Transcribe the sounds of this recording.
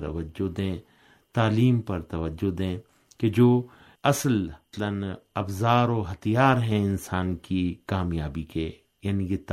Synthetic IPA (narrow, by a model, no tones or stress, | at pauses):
ɐ̰ʋəd͡ʒod̪ẽː | t̪aːliːmpɐɾt̪ɐʋəd͡ʒod̪ẽː | ked͡ʒoː | ɐsəllənɐbzaːɾoːɦɐt̪ijaːɾɦɛ̃ɪnsaːnkikaːmjaːbike | jaːniket̪